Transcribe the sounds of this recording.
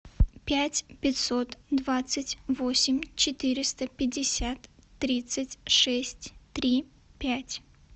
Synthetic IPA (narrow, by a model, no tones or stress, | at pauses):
pʲætʲpʲɪt̪ʲsot̪d̪vat̪sɨtʲvosʲɪmʲt͡ɕɪt̪ɨɾʲɪst̪əpʲɪdʲɪsʲat̪ːɾʲit̪sɨtʲʂɛsʲtʲt̪ɾʲi | pʲætʲ